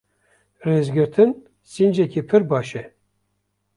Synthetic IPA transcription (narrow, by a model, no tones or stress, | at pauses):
reːzɡɨɾt̪ʰɨn | sind͡ʒɛkipʰɨɾbɑːʃɛ